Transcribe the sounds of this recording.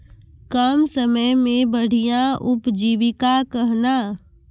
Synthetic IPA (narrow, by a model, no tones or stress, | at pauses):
kəmsəməjmẽbəɽ̤ijãʔʊpd͡ʒiːʋɪkakəɦna